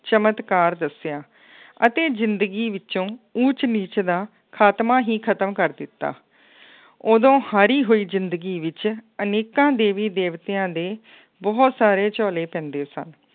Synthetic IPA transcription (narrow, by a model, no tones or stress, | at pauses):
t͡ʃəmət̪kaːɾd̪əsɪjaː | ət̪eːzɪnd̪əɡiːʋɪt͡ʃõːut͡ʃniːt͡ʃd̪aː | kʰaːt̪maːɦiːkʰət̪əmkəɾd̪ɪt̪ːa̰ː | oːd̪õːhaːɾiːɦoːiːzɪnd̪əɡiːʋɪt͡ʃəneːkãːd̪eːʋiːd̪eːʋt̪jãːd̪eː | bɔːt̪saːɾeːt͡ʃɔːleːpɛ̃ːnd̪eːsə̰n